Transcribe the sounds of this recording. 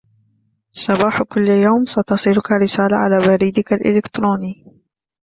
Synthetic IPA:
sˤɑbɑːħkʊlːjawmsɑt̪ɑsˤiːlʊkaɾɪsaːlaʕa̰laːbaɾiːd̪ɪkalʔɪ̰lɪkt̪ɾoːniː

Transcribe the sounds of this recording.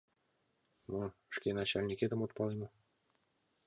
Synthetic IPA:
noʂkʲenɑt͡ɕɑlʲnʲikʲed̪ə̆mot̪̚pɑlˠemɤ

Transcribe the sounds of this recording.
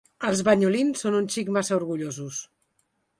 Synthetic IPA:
əlˠzβəɲulinsːonunʲʃikmasəuɾɣuʎozus

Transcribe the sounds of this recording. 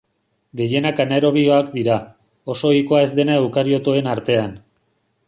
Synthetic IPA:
ɡe̞je̞nakaneɾo̞β̞io̞akd̪iɾa | o̞so̞iko̞ae̞zd̪e̞naewkaɾio̞t̪oe̞naɾt̪e̞an

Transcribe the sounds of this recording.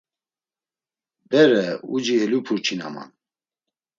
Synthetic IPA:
bɛɾɛud͡ʒiɛlupʰuɾt͡ʃʰina̰ma̰n

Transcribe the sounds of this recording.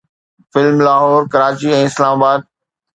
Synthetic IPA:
fɪlmlaːɦɔːɾkɐɾaːt͡ɕiɛ̃ːɪslaːmaːbaːd̪̚

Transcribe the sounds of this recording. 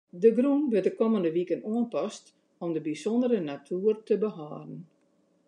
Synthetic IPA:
dəɡrunʋədəkɔməndəʋikənoənpɔst | ɔmdəbisɔndəɾənatʰuːrtəbəɦaːdən̩

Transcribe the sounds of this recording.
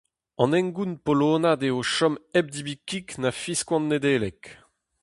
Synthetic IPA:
ɑ̰̃nɛ̃ŋɡunpoloːnad̪eoʃɔmɛb̚d̪ibikiknafiskwɑ̃nːed̪eːlɛk

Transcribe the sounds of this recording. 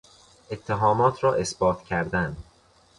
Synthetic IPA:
ʔe̞t̪ʰːeɦɒːmɒːt̪ʰɾɒːʔe̞sb̥ɒːt̪ʰcʰæɾd̪æn

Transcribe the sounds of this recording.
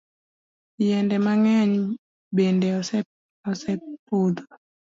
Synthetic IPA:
jɛndɛmaŋɛɲ | bendɛɔsɛ | ɔsɛpod̪o

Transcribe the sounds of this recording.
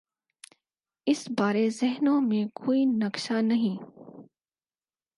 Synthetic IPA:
ɪsbaːɾezɛɦnõmẽkʰoːinɐkʃanɐɦĩː

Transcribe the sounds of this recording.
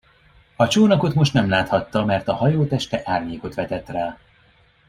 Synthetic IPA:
ɒt͡ʃoːnɒko̞t̪mo̞ʃt̪nɛmlaːt̪hɒt̪ːɒmɛrt̪ɒhɒjoːt̪ɛʃt̪ɛʔaːrɲeːko̞t̪ʋɛt̪ɛt̪raːl

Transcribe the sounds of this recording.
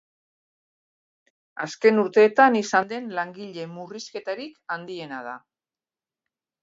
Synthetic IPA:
aske̞nuɾt̪e̞ːt̪anisand̪e̞nlaŋɡiʎe̞muriske̞t̪aɾikand̪ie̞nað̞a̰

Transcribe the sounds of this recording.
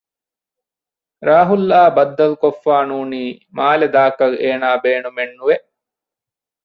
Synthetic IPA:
ɾaːɦulːaːbɐd̪ːɐlkofːaːnuːniːmaːled̪aːkɐleːnaːbeːnumenːuʋe

